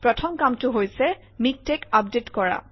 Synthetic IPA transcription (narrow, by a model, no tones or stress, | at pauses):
pɹɔtʰɔmkamtʊɦojsɛ | mik̚tekap̚detkɔɹa̰